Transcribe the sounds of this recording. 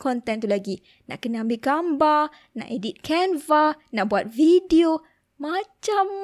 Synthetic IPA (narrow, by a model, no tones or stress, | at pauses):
kɔnt̪ɛnt̪ulaɡi | na̰ʔkənəambilɡamba | na̰ʔedit̪̚kʰɛnvanaʔbuat̪̚vidio | mat͡ʃamː